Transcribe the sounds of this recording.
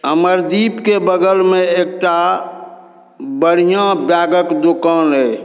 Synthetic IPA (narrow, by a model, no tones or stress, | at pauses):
ɦəməɾd̪ipkebəɡəlmeek̚ʈa | bəɽ̤ijãbjaɡəkd̪okənɦə